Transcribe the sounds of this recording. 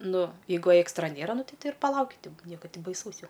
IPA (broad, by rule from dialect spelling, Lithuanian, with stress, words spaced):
ˈnʊ jɛɪˈɡʊ eːkstrɐ ˈnʲeːrɐ ˈnʊ ˈtʲɪ ˈtʲɛɪ ɪr pɐˈlˠɐʊkʲɪ ˈnʲiɛkɐ ˈtʲɪ bɐɪˈsɐʊs ˈjɛʊ